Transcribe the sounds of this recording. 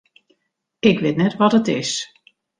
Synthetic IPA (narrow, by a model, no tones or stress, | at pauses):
ɪkʋɪtnɛtʋɔtətɪs